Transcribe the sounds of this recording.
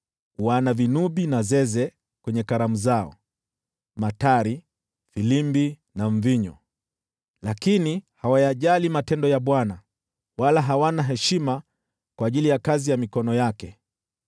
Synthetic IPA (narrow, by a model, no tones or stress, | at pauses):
uanavinuɓinazɛzɛ | kwɛɲɛkaɾamuzaɔ̰ | mataɾi | filimbi | naɱ̩viɲɔ | lakinihawajaʄalimatɛndɔjaɓwana | walaɦawanaɦɛʃima | kwaːʄilijakazijamikɔnɔjakɛ